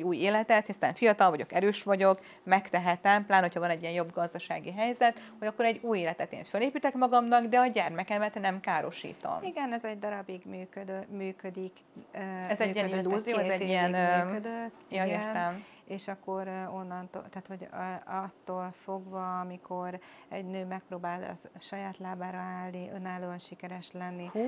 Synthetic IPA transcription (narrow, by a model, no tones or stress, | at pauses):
ɛɟuːjeːlɛt̪ɛt̪hist̪a̰ːɱfijɒt̪ɒlvɒɟo̞̰kɛɾøːʃʋɒɟo̞k | mɛkt̪ɛɦɛt̪ɛmplaːnho̞chɒvɒnɛɟːijɛnjo̞bɡɒzd̪ɒʃa̰ːɡiɦɛjzɛt̪ho̞ɟɒkːoɾɛɟːuːjeːlɛt̪ɛt̪ḛːɱføleːpiːt̪ɛkmɒɡɒmnɒɡd̪ɛɒɟɛrmɛkɛmɛt̪nɛmkaːɾo̞ʃḭːt̪o̞̰miɡɛnɛzɛɟd̪ɒɾɒbiɡmyːkød̪ømyːkød̪ikː | ɛzɛɟiɛinːuzioːɛzɛɟiɛød̪øt̪ | jɒernɛm | eːʃɒkːo̞ɾo̞nːɒnt̪o̰t̪aːt̪ho̞ɟɒt̪ːoːlfo̞ɡvɒmikʰo̞ɾ | ɛ̰ɟnøːmɛk̚proːbaːlɒ̰ʃɒjaːt̪laːbaːɾɒaːlniʔønaːloɒnʃikɛɾɛʃlɛnːi